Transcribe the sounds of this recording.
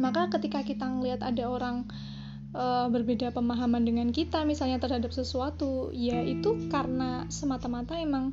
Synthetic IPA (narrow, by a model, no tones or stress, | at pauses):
makakət̪ikakit̪aŋəliɦat̪adaoɾaŋ | əbərbedapəmaɦamandəŋankit̪amisalɲat̪ərɦadap̚səsuat̪ujait̪ukaɾənasəmat̪amat̪aemaŋ